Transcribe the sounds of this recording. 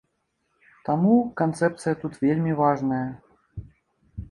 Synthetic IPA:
t̪amukant̪sɛp̚t̪sɨjɐt̪ut̪vʲelʲmʲivaʐnɐjɐ

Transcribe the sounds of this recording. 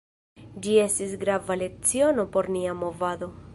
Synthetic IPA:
d͡ʒie̞stisɡɾavale̞k̚t͡siono̞po̞ɾniamo̞vad̪o̞

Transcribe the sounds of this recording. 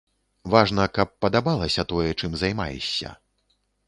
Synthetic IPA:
vaʐnɐkɐpːɐd̪abalˠɐsʲɐt̪ɔjɛt͡ʂɨmzajma̰jɛ̰sʲːɐ̰

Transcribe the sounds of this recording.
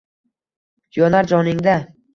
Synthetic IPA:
jɒnaɾd͡ʒɒnɪŋd̪a

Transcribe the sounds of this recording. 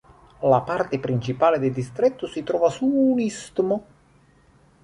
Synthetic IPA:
lapart̪epɾint͡ʃipaːled̪ed̪ist̪ɾɛt̪ːʊsit̪ɾɔːvasuːnist̪mʊ

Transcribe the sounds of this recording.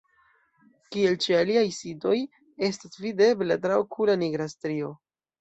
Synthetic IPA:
kie̞lt͡ʃialiajsido̞j | e̞stasvide̞blatɾaokʰulaniɡɾastɾio̞

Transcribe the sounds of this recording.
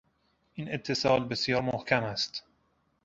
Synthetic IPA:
ʔiːne̞t̪ʰːe̞sɒːlbe̞sjɒːɾmohkʰæmæst̪

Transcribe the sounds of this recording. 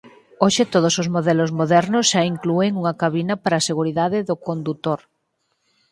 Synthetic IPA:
oʃet̪oð̞osozmoðɛlozmoðɛɾnʊsʃaiŋklueŋuŋakaβinapaɾaseɣuɾiðaðeðokond̪ut̪oɾ

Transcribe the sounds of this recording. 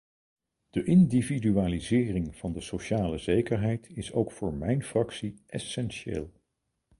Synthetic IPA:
d̥əʔɪndividyaːlizɪːrɪŋv̥ɑndəsoʃaːləzejkəɹɦɛjtɪso̰wkfʊːɹmɛjnfrɑksiʔɛsɛnʃḛːlˠ

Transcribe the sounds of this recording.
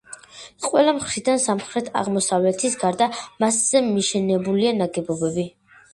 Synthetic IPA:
qʼwɛlamχɾid̪ansamχɾɛt̪ʰa̰ʁmɔsavlɛt̪ʰisɡaɾd̪amasz̥ɛmiʃɛnɛbulianaɡɛbɔbɛbi

